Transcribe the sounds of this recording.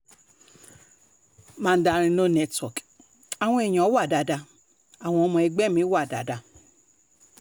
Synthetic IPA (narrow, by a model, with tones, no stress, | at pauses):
mã˦˧n̩˦da˧ɾ̃ĩ˧nõ˦nɛ˧twɔ˨k | a˨w̃ɔ̃˧e˨j̃ã˨˦wa˦˨da˨da˧ | a˨w̃ɔ̃˧ɔ˧mɔ̃˧ɛ˧ɡ͡bɛ˦˨mĩ˨˦wa˦˨da̰˨da˧˨